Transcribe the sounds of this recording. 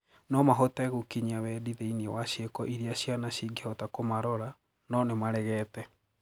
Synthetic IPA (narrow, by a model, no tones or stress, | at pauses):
nɔmaɦɔtaɣokiɲiawɛdiðeiniewaɕjekɔʔiɾiaɕjanaɕiɡehɔtakomaɾɔɾa | nɔnemaɾɛɣɛːtɛ